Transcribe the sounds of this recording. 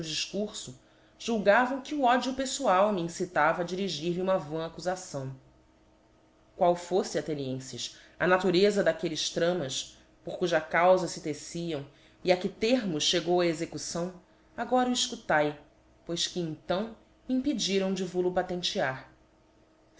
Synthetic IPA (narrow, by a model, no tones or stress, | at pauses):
ʊd͡ʒiʃkuɾsʊ | ʒ̥uwɡavɐ̃w̃kɪuɔd͡ʒiupesuawmiĩsit̪avɐd͡ʒiɾiʒiɾliũmɐvõakuzasɐ̃w̃ | kwawfosɪɐt̪eniẽsɪʃ | ɐnat̪uɾezɐd̪akelɪʃt̪ɾɐ̃mɐʃ | poχkuʒɐkawzɐsɪt̪esiɐ̃w̃ | iakɪt̪eɾmʊʃʃeɡowɐezekusɐ̃w̃ | aɡɔɾɐuiʃkut̪aj | pojskɪẽt̪ɐ̃w̃ | ĩpid͡ʒiɾɐ̃w̃d͡ʒɪvulupat̪ẽnt͡ʃiaɾ